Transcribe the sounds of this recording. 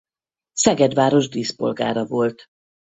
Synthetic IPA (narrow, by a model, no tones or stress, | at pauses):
sɛɡɛd̪ʋaːɾo̞ʒd̪iːspo̞̰lɡa̰ːɾɒvo̞lt̪